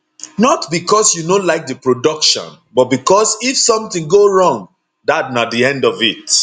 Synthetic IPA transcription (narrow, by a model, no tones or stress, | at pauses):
nɔtbikʰɔsjunolaɪk̚dəpɹodʌkʃɔ̰̃nbɔt̚bikɔsifsɔ̃mθĩŋɡoɹɔ̃ŋ | ðat̚nadiɛ̃ndɔvit